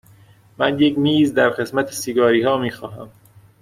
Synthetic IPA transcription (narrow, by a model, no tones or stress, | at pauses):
mænje̞kmiːzd̪æɾɢe̞smæt̪ʰesiɡɒːɾiːhɒːmiːxɒːɦæ̰m